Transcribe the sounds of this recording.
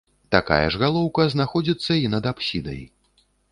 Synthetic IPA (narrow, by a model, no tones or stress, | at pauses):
t̪aka̰jɐ̰ʐɣalˠɔwkɐznaxɔd͡zʲit̪sːɐinɐd̪apsʲid̪ɐ̰j